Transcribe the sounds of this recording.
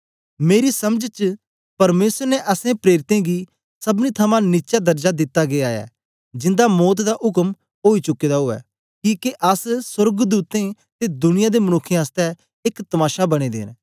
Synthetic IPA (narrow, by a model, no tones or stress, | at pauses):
meːɾisɐməd͡ʒt͡ʃ | pɐɾmeːsəɾnɛʔɐsẽpɾeːɾɪt̪ẽːɡiː | sɐbnit̪ʰɐmãnɪt͡ʃad̪ɐɾd͡ʒad̪ɪt̪ːaɡeaːɛ̰ː | d͡ʒɪnd̪amɔːt̪d̪aʔʊkəm | ɦoːit͡ʃʊkːeːd̪aɦoːɛ̰ː | kiːkeʔɐssəɾɡd̪uːt̪ẽ | t̪ed̪ʊnɪjãːd̪emɐnʊkʰːj̃əst̪ɛ | ɪkt̪ɐmaːʃabɐɽ̃ed̪ḛːn